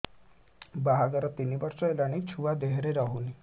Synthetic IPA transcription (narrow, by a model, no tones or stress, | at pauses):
baɦaɡəɾət̪inibəɾsɔelaɽ̃it͡ɕʰuʋad̪eɦɾeɾaɦuni